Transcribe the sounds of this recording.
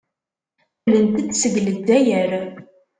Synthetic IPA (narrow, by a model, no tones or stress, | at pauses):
lənt̪ət͡sːsəɡləd̪ːæjəɾ